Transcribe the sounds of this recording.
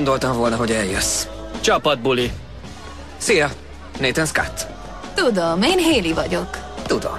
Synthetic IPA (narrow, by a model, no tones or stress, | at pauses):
nd̪o̞lt̪ɒɱvo̞lnɒɦo̞ɟɛljøsː | t͡ʃɒpɒd̪̚buli | sijɒ | neːt̪ɛnska̰t̪ː | t̪ud̪omeːnɦeːlivɒɟo̞kt̪ud̪o̰m